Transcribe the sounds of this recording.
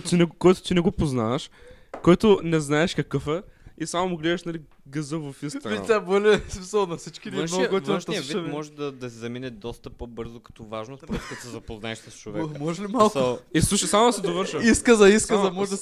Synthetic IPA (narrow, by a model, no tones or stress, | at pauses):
t̪inɛɡkɔjt̪ʊ̥t̪inɛɡʊpoznaɐʃ | kɔjt̪ʊnɛznaɛʃkɐkəfɛisamʊmʊɡliɐʃnɐli | ɡɐzəvɐfĩsɐɡvit̪ʲabɔlʲɛsmisɐlˠnɐsit͡ʃkid̪kɔjvɐ̃ʃiɐvimɔʒɛd̪ɐd̪ɐsizɐminɛd̪ɔst̪ɐpɔbəɾzʊkɐ̥t̪ɔvaʒnosɾɛt̪kɐt̪sɛzɐpoznaɛʃsəst͡ʃovɛmɔʒlimalˠkislˠuʃɐsamʊd̪ɐsɛd̪ovəɾʃɐiskɐzɐiskəzɐmɔʒd̪